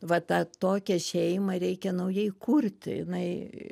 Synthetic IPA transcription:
ʋɐt̪ɐt̪oːkʲɛʃʲɛɪmɐɾʲɛɪkʲɛnɐʊjɛɪkurʲt̪ʲjɪ̰nɐɪ

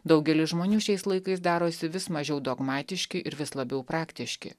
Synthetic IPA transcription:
d̪ɐʊɡʲɛlʲɪsʒmoːnʲuːʃʲɛɪslˠɐɪkɐɪs̬d̪ɑːɾoːsʲɪʋʲɪsmɐʒʲɛʊd̪oːɡmɑːt̪ʲɪʃʲkʲɪʔɪɾʋʲɪslˠɐbʲɛʊpɾɑːkt̪ʲɪʃʲkʲɪ̰

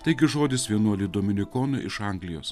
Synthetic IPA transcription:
t̪ʲɐɪɡʲɪʒoːd̪ʲɪsʋʲiɛnuɔlʲɪd̪oːmʲɪnʲɪkoːnʊʔɪʃɐŋɡlʲɪjo̰ːs

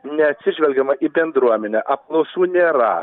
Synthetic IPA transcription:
nʲɛɐt̪ʲsʲɪʒʲʋʲɛlʲɡʲɛmɐʔiːbʲɛnd̪ɾuɔmʲɛnʲɛʔɐplˠɐʊsuːnʲeːɾɐ̰

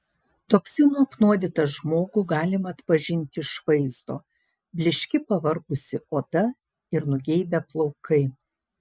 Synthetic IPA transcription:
t̪oːksʲɪnuːɐpnuɔd̪ʲɪt̪ɐʒmoːɡʊɡɑːlʲɪmɐːt̪pɐʒʲɪnʲt̪ʲɪɪʃʋɐɪzd̪oː | bʲlʲɪʃʲkʲɪpɐʋɐɾɡʊsʲɪoːd̪ɐ | ɪɾnʊɡʲɛɪbʲɛplˠɒʊkɐɪ

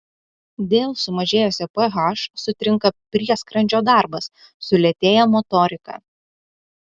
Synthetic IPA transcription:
d̪ʲeːlˠsʊmɐʒʲeːjoːsʲɛpɛɣɐʃsʊt̪ʲɾʲɪŋkɐpʲɾʲiɛskɾɐnʲd͡ʒʲoːd̪ɑˑɾbɐs | sʊlʲɛt̪ʲeːjɛmɔt̪ɔɾʲɪkɑ̰ː

